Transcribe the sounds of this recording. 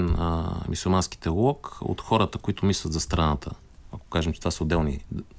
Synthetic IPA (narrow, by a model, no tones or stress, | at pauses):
nmusulˠmansk̟i̥t̪ɛlˠɔko̰t̪xɔɾət̪əkoit̪ʊmislʲɐt̪zɐst̪ɾɐnat̪ʰə̰ | ɐko̥kaʒɛmt͡ʃɛt̪vasəod̪ːɛlˠnḭ